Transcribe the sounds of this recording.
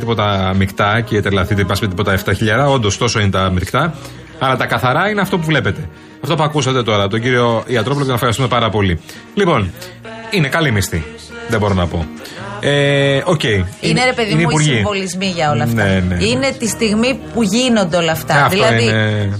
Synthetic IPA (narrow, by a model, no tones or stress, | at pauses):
t̪ipo̞t̪ɐmikt̪ɐcet̪elɐθit̪ipɐsmet̪ipo̞t̪ɐeft̪ɐçiʎɐɾɐo̞nd̪ost̪oso̞inet̪ɐmiɾkt̪ɐ | ɐlɐt̪ɐkɐθɐɾɐineɐft̪o̞puvle̞pe̞t̪e̞ | ɐft̪o̞p̬uɐkusɐt̪e̞t̪o̞ɾɐɐpot̪o̞ɟiɾio̞iɐt̪ɾopoloot̪nɐexɐɾist̪ume̞pɐɾɐpo̞li | lipo̞n | inekɐlimist̪i | ðebo̞ɾo̞nɐpo̞̰ | eo̞ce̞iineɾepeðineipuɾʝsivo̞lizmiʝɐolɐftnɐeneine̞t̪ist̪iɣmipuʝinond̪eo̞lɐft̪ɐɐðfiloɐiine